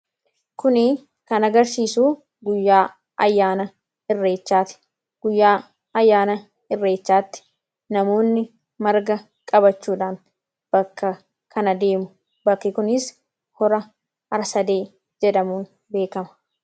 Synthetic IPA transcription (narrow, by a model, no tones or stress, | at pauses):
kʊnɪ | kɐnɐɡɐɾsiːsuː | ɡʊjːaː | ʔɐjːaːnɐ | ɪrːe̞ːt͡ʃːaːt̪ɪ̥ | ɡ̥ʊjːaː | ɐjːaːnɐ | ɪrːe̞ːt͡ʃːaːt̪ːɪ̥ | nɐmo̞ːnːɪ | mɐɾɡɐ | kʼɐbɐt͡ʃːuːᶑaːn | b̥ɐkːɐ | kʰɐnɐd̪e̞ːmʊ | bɐkːɪkʊnɪs | hɔɾɐ | ɐɾsɐd̪eː | d͡ʒɛᶑɐmuːn | be̞ːkɐmɐ̥